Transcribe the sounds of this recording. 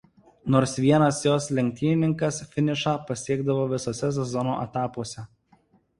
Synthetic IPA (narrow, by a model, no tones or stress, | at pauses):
noːɾsʋʲiɛnɐsjoːslʲɛŋʲk̚ʲt̪ʲiːnʲɪnʲɪŋkɐsfʲɪnʲɪʃɑːpɐsʲiɛɡd̪ɐʋoːʋʲɪsoːsʲɛs̬ʲɛzɔno̰ʔɛt̪ɑːpuɔsʲɛ